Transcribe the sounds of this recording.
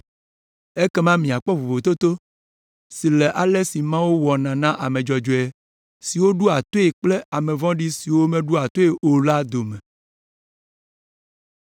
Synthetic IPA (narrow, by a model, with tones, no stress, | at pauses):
e˦kɛ˦mã˦mĩ˨a˨k͡pɔ˦vo˨vo˨t̪o˦t̪o˦ | si˨lɛ˨ʔa˨lɛ˦si˨mã˦wu˦wɔ˨nã˨nã˦ʔa˨mẽ˨d͡ʒɔ˨d͡ʒo˨ɛ˨ | si˨wo˦ɖu˦a˨t̪o˦e˨k͡plɛ˦a˨mɛ̃˨vɔ̃˦ɖi˦si˨wo˦mɛ̃˦ɖu˦a˨t̪o˦e˨ʔo˨la˦d̪o˨mɛ̃˨